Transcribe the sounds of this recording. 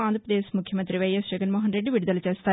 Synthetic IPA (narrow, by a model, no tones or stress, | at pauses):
aːnd̪ʱɾpɾɐd̪eːsmukʰjɐmɐnt̪ɾiʋɐjesd͡ʒɐɡɐnmoːɦɐnɾeɖːɨʋiɽud̪ɐlɐt͡ʃeːst̪aː